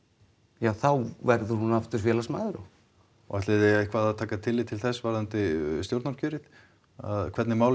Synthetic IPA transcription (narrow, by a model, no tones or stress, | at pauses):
jaːwθawvɛɾðʏɾ̥hunːaft̪ʏɾ̥fjɛːlasmaːðʏɾɔ | ɔ̰ɛht̪lɪðehkʰvaːðaðt̪ʰaːkat̪ʰɪlːiːt̪ʰɪlθɛsːvaɾðant̪ɪst̪jowɾt̪naɾcʰʏːɾɪt̪ | a̰ðkʰɛt̪nɪmaːwl